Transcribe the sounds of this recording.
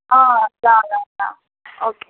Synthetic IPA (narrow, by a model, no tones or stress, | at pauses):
alalala̰ | okʰe